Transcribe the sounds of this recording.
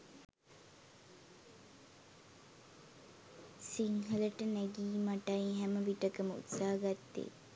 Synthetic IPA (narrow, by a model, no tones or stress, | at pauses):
siŋɦələʈənɛɡiːmaʈaiɦæməʋiʈəkəməṵt̪saːəɡat̪ːḛ